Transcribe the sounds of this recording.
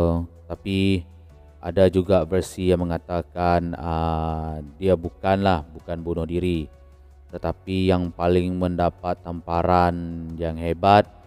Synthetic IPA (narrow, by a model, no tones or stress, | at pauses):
t̪api | a̰dad͡ʒuɡavərsijaŋməŋat̪akanə | diabukanlahbukanbunʊhdiɾi | t̪ət̪apijaŋpalɪŋməndapat̪ːampaɾanjaŋɦebat̪̚